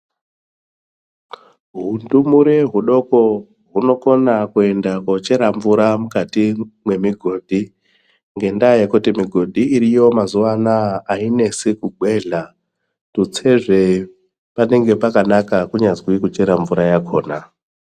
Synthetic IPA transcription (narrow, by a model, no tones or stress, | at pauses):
ɦundumuɾeɦuɗo̞ko̞ | ɦuno̞ko̞nakue̞ndakwot͡ʃe̞ɾaɱvuɾamukatimwe̞miɡʱo̞ːdʱi | ŋɡe̞ndaje̞kutimiɡʱo̞dʱiːɾijo̞mazuʋanaːine̞sekuɡʱwe̞ɮa | tut͡se̞ʐe̞ | pane̞ŋɡe̞pakanakakuɲazwikut͡ʃe̞ɾaɱvuɾajakʰo̞ːna